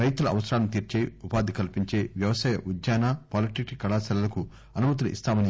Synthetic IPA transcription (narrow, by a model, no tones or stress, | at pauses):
ɾɐjt̪ulɐɐ̰ʋɐsɐɾaːlɐnut̪iːɾt͡ʃe̞ːupaːd̪ʱikɐlpiɲt͡ʃe̞ːʋjɐʋɐsaːjɐʔud̪jaːnaːpaːliʈikʈikɐɭaːsɐlɐlɐku | ɐnumɐt̪̬ulɐʔḭst̪aːmɐni